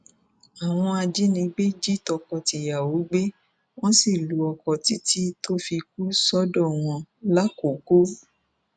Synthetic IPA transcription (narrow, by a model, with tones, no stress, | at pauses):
a˨w̃ɔ̃˧a˧d͡ʒi˦nĩ˧ɡ͡be˦d͡ʒi˦tɔ˧kɔ˧ti˨ja˨wo˨˦ɡ͡be˦ | w̃ɔ̃˦si˦˨lu˨˦ɔ˧kɔ˨ti˨˦ti˦tʰo˦fi˧k̚u˦sɔ˦dɔ˦˨w̃ɔ̃˧la˦ko˨˦ko˦